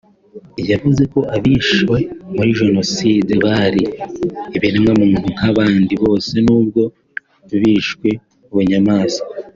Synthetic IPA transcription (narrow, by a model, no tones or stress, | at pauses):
ijavuze̞ko̞ʔaβiʃwe̞muɾiʒe̞no̞sideβaɾiː | βiɾemŋamuːn̥ukaβaːndiβo̞ːse̞nuːbɡo̞ | βiːʃwe̞ | uβuɲamaːsa